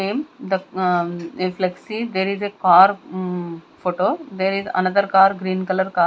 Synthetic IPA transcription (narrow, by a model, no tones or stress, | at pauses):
ẽːmd̪ə | eflɛksid̪eːɾizekaːɾ | foːʈoːd̪eɾizɐ̰nɐd̪əɾkaːɾɡɾĩːnkɐləɾkaː